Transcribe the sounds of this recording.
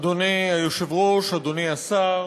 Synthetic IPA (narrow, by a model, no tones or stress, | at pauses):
d̪oniajoʃe̞vʁo̞ʃad̪oniasa